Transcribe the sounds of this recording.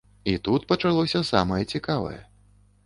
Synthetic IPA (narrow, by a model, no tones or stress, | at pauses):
it̪ut̪pɐt͡ʂalˠɔsʲɐsa̰mɐjɛt͡sʲikavɐ̰jɛ̰